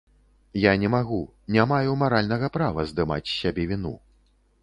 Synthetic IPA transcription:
janʲɛmaɣu | nʲamajumaɾalʲnɐɣɐpɾavɐzd̪ɨma̰t͡sʲsʲabʲɛvʲinṵ

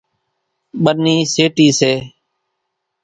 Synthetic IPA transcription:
ɓənːiːseːʈiːseː

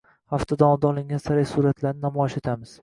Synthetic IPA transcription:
haft̪ʰad̪aɒmd̪aɒlˠɪŋɡʲansaɾajsuɾat̪ʰlaɾnɪnamɒjʃet̪ʰamɪz̥

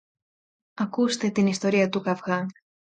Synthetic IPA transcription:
ɐkust̪e̞t̪inist̪o̞ɾiɐt̪ukɐvɣɐŋ

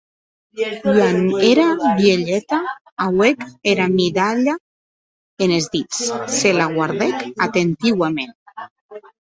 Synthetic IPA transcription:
kwaneɾaβjeʎɛt̪a | awekeɾamiðaʎa | enezðit͡sselaɣwaɾðɛkat̪ent̪iwamen

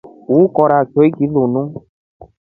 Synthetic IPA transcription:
ukɔɾat͡ʃoikilonũ

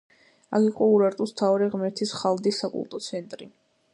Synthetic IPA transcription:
akʰiqʼɔuɾaɾt̪ʼust̪ʰaɾiʁmɛɾt̪ʰisχalˠd̪isːakʼṵlˠt̪ʼɔt̪sʰɛnt̪ʼɾi

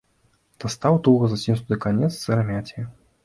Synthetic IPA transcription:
t̪ɐst̪awt̪uɣɐzasʲimsud̪ɨkanʲɛt̪st̪ɨɾɐmʲatʲij

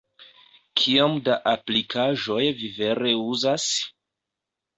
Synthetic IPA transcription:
kʰiamdaʔaplikʰaʒo̞jvive̞ɾe̞uzas

